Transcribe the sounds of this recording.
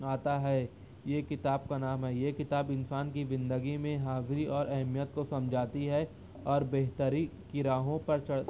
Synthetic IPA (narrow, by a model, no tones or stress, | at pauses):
aːt̪aɦɛː | jeːkɪt̪aːbkanaːmɦɛjeːkɪt̪aːbɪnsaːnkiʋɪ̃nd̪əɡimẽɦaːzɾiʔɔːɾʔɐɦmijət̪kosɐ̃md͡ʒʱaːt̪iɦɛ | ɔːɾbeɦt̪əɾikiɾaːɦõpɐɾt͡ʃɐ